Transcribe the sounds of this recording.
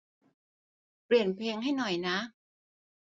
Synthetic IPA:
pli˨˩ənpʰleː˧ŋɦa˥˩jnɔ˨˩jna˦˥

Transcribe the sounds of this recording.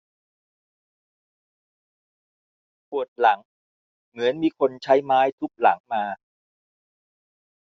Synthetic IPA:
pʰu˨˩ət̪̚la˩˦ŋ | mɯ˩˦ə˦nmiː˧kʰo˧nt͡ɕʰa˦˥jmaː˦˥jt̪ʰu˦˥k̚la̰˩˦ŋmaː˧

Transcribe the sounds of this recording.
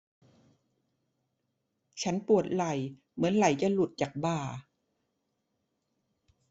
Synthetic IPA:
t͡ɕʰa˦˥npu˨˩ət̪̚la˨˩j | mɯ˩˦ənla˨˩jt͡ɕa˧˩lu˨˩t̪̚t͡ɕaː˨˩k̚baː˧˩

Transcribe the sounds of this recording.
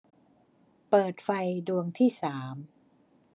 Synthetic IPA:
pɤː˨˩t̪̚fa˧jdu˧əŋt̪ʰiː˥˩saː˩˦m

